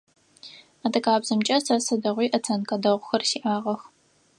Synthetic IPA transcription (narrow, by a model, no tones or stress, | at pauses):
aːdɐkaːbzɐmt͡ʃʼɐsɐsɐdɐʁʷiːʔɐtʰɐnkʼɐdɐʁʷʊxɐrsiːʔaːʁɐx